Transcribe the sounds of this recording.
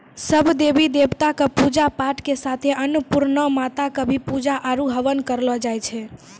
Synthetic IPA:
səbʱd̪ebid̪ebt̪akəpud͡ʒapaʈkesat̪ʰeʔənupuɾnəmat̪akəbʱipud͡ʒaʔaɾuɦəʋənkəɾlɔd͡ʒajt͡ʃʰɛ

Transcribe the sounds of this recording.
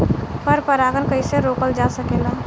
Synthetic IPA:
pəɾpɐɾaːɡəɾkəiseɾoːkəld͡ʒaːsəkeːlaː

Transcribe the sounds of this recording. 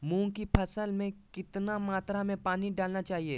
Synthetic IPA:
mũːkipʰɐsəlmẽkɪt̪namaːt̪ɾamẽpaːniɖaːlnat͡ʃaːɦieː

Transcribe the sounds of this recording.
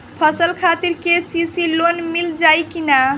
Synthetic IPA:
pʰəsəlkʰat̪iɾkesisilonmild͡ʒajkina

